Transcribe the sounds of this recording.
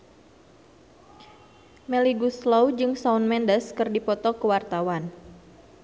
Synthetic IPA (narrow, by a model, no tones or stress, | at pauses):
meliɡuslowd͡ʒɨŋsaunmɛndəskɨrdipɔt̪ɔkəwart̪awan